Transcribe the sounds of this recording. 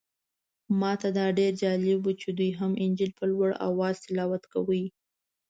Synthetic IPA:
mɑt̪ad̪ɑɖeɾd͡ʒɑlɪbwut͡ʃed̪ujɦamʔɪnd͡ʒɪlpəlwaɽa̰wɑz̥t̪ɪlɑwat̪kawəj

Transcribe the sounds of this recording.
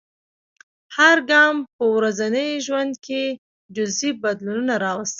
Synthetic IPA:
haɾɡɑmpəwɾazanəjʒwand̪̚ke | d͡ʒʊzibad̪lununaɾɑwast̪ə

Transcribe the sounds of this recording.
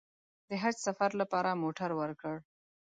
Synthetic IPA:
d̪əɦaɾsafaɾlapɑɾamoʈaɾwəɾkəɽ

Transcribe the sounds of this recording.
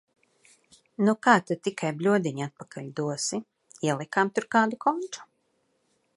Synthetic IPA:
nukaːt̪at̪ikʰajblʲuɔd̪iɲat̪̚pakʰalʲd̪uɔsi | iɛlˠikamt̪uɾkaːd̪ukʰɔnt͡ʃu̥

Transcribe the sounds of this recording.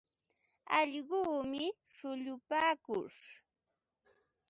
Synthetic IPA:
ɑʎɢuːmɪ | ʂʊʎʊpaːkʊʂ

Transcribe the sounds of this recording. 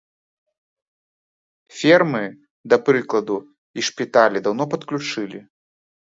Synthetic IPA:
fʲɛrmɨ | d̪ɐpɾɨklˠɐd̪u | iʂpʲit̪alʲid̪awnɔpɐt̪klʲut͡ʂɨlʲi

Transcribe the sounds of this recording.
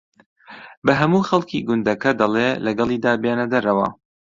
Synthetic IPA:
bɐɦɐmuːxɐlˠkʰiːɡʊnd̪ɐkɐd̪ɐleːlɐɡɐlˠiːd̪aːbeːnɐd̪ɐɾɐwɐ̰

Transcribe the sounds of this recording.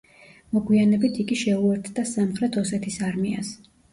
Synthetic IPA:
mɔɡwianɛbit̪ʰiɡiʃɛuɛɾt̪ʰd̪asamχɾɛt̪ʰɔsɛt̪ʰisaɾmia̰s

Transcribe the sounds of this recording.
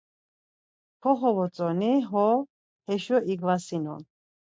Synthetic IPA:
kʰɔɦɔvɔt͡sʼɔniɦɔ | hɛʃɔʔiɡvasinɔ̰n

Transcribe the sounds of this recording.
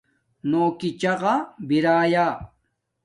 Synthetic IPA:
noːkɪt͡ʃɑɢɑbɪɾaːjɑː

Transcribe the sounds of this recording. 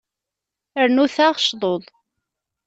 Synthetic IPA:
əɾnuθaʁʃðˤoðˤ

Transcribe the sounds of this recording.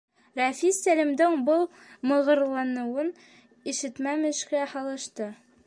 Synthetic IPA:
ɾæfisælʲimd̪ɘŋbɤlˠ | mɤ̆ʁɤ̆ɾlˠɑnɤ̆wɤn | iʃɘ̆t̪mæmɘ̆ʃkæhɒlˠɤ̆ʃt̪ɤ

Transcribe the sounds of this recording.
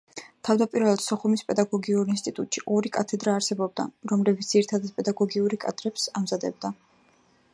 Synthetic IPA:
t̪ʰavd̪apʼiɾvɛlˠad̪̥sɔχumispʼɛd̪aɡɔɡiuɾinst̪ʼit̪ʼut̪ʼʃiʔɔɾikʼat̪ʰɛd̪ɾaːɾsɛbɔb̚d̪a̰ɾɔmlɛbit̪ʰd̪̥iɾit̪ʰad̪at̪̚pʼɛd̪aɡɔɡiuɾikʼad̪ɾɛpsamzad̪ɛb̚d̪a

